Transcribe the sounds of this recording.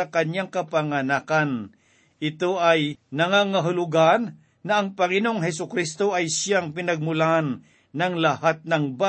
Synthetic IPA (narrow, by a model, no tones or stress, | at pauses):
ɐkɐɲjaŋkɐpaŋɐnakan | ʔɪt̪oʔɐjnɐŋaŋaɦʊlʊɡanː | ɐɐŋpɐŋɪnoŋɦɛs̬ʊkɾist̪oʔɐjsaŋpɪnɐɡ̚mʊlaanː | ɐŋlɐhat̪̚nɐŋba